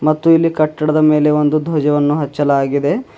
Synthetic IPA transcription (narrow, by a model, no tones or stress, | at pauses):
mɐt̪ːuilːikɐʈːɐɽɐd̪ɐme̞ːle̞o̞nd̪ud̪ʱoːd͡ʒɐʋɐnːuɦɐt͡ʃːɐlaːɡid̪e̞